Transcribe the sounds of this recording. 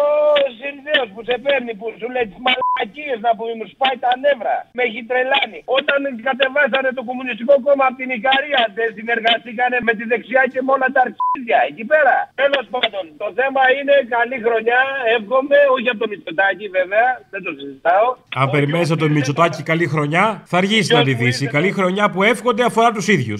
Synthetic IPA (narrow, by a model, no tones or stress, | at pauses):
osinðeo̞spuse̞pe̞ɾnipusuletimalɐciznɐpumemuspɐit̪ɐne̞vɾɐ̰me̞çit̪ɾe̞lɐnio̞t̪ɐŋkɐt̪e̞vɐs̬ɐne̞t̪o̞ko̞munist̪iko̞ko̞mɐːpot̪inikɐɾiɐðe̞nsine̞ɾɣɐst̪ikɐne̞me̞t̪iðe̞ksiɐce̞mo̞nɐt̪ɐɾçiðʝɐe̞cipe̞ɾɐt̪e̞lo̞spand̪o̞nt̪o̞θe̞mɐine̞kalixɾo̞ɲɐe̞fɣo̞me̞o̞çiɐpot̪omit͡ʃot̪ɐciveve̞ɐðet̪o̞sizit̪ɐo̞ɐmpe̞ɾimme̞nis̬ɐpot̪omit͡ʃo̞t̪ɐcikɐlixɾo̞ɲɐθɐːɾʝisinɐd̪iðisikɐlixɾo̞ɲɐpue̞fxo̞nd̪eɐfo̞ɾɐt̪usiðʝṵs